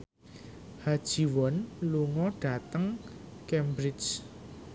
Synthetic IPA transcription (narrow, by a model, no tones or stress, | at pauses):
had̥ʒ̥i̤wɔnluŋɔɖ̥a̤t̪əŋkɛmbɾɪd͡ʒ